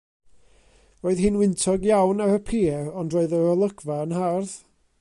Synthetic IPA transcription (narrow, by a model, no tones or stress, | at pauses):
roːɨðhɪnwɪntʰɔɡjawnaɾəpʰiːɛrɔndroɨðəɔlˠəɡvaənɦarð